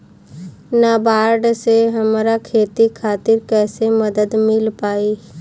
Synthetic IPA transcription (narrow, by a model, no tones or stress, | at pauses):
nabaːɾɖseɦɐmɾakʰeːt̪ikʰaːt̪ɪɾkɛːsemɐd̪əd̪mɪlpaːi